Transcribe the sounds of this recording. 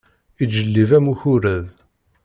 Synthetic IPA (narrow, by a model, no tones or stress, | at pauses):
id͡ʒəlːivæmuçuɾæð